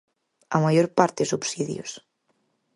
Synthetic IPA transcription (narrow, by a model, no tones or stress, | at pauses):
a̰majoɾpaɾt̪esubsiðjo̰s